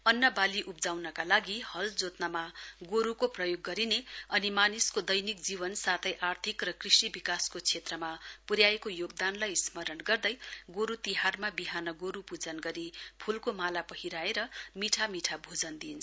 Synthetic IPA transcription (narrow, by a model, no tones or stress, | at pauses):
ʌnːʌbaliʔup̚d͡zawnʌkalaɡihʌld͡zot̪namaɡoɾukoprʌjoɡːʌɾineʌnimaniskod̪ʌjnikd͡zibʌnsat̪ʰʌjʔart̪ʰikrʌkrisibikaskot͡sʰet̪rʌmapuɾjaekojoɡ̚d̪anlajsmʌɾʌnɡʌrd̪ʌjɡoɾut̪iɦarmabiɦanʌɡoɾupud͡zʌnɡʌɾipʰulkomalapʌhiɾaeɾʌmiʈʰamiʈʰabʱud͡zʌnd̪int͡sʰ